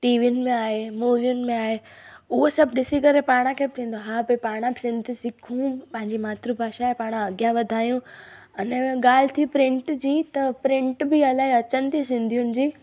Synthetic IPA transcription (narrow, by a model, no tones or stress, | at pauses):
ʈiːʋiʊnɪ̆mẽaːɦemuːʋijʊnɪ̆mẽaːɦeʊɦosɐbʱɗɪsikɐɾepaːɽ̃ãkʰeːbɪt̪ʰĩːn̆d̪oɦaːbepaːɽ̃ãbɪsɪ̃nd̪ʱisɪkʰũpɐ̃ɦɪ̃ɲd͡ʑimaːt̪ɾubʱaːʃaepaːɽ̃ãɐɡjaʋɐd̪ʱaːjũ | ɐnɛɠaːl̤ɪt̪ʰipɾɪ̃ɳʈd͡ʑiːt̪ɐpɾɪ̃ɳʈbɪɐlaːɦeɐt͡ɕənɪ̆t̪ʰis̬ɪ̃nd̪ʱijʊnɪ̆d͡ʑiː